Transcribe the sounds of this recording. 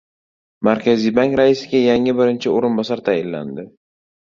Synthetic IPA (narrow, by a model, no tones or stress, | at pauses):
maɾkʲʰazijbaŋkɾaɪsɪɡʲajaŋɪbɪɾɪnt͡ʃʰɪoɾɪnbɒsaɾt̪ʰajɪlːa̰nd̪ɪ